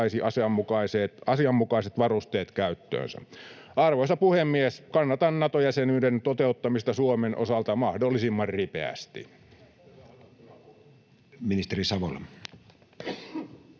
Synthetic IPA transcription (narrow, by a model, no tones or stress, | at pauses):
isiʔɑsiɑmːukɑiseːt̪ɑsiɑmːukɑiset̪ʋɑrust̪eːt̪kæyt̪ːø̰ːnsæ̰ | ʔɑrʋoisɑpuhemːieskɑnːɑt̪ɑnnɑt̪ojæsenyːdent̪ot̪eut̪ːɑmist̪ɑsuomenʔo̰sɑlt̪ɑmɑhdolːisimːɑrripḛæ̰st̪ḭ | minist̪erisɑʋolːɑ